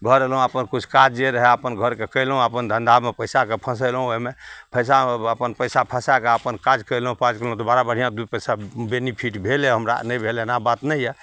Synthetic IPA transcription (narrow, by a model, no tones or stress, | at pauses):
bʱəɾelɦũəpənkut͡ʃʰkad͡ʒeɾəɦɛəpənɡʱəɾkekəlɦũəpənd̪ʱənd̪ʱamepəjsakepʰə̃s̬əjlɦũoɦmepʰəjs̬aəpənpəjsapʰəsakeəpənkad͡ʒkəjlɦũpad͡ʒkəlɦũt̪obaɾabəɽ̤ijãd̪upəjsabenipʰiʈbʱeleɦəmɾa̰nəjbʱelenabat̪nəjɛ